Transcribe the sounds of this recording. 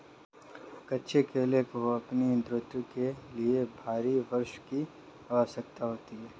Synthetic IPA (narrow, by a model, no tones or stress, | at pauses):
kɐtːʃʰekʰeːlekoɐpnid̪ɾʊt̪jukeliebʱaːɾiʋɐɾʃki | ɐʋaːsɐk̚t̪aɦoːt̪iɦɛː